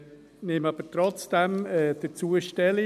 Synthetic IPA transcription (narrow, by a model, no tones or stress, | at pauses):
nemɑb̥ətɾɔt͡sd̥ɛmɛːd̥ət͡suəʃtɛli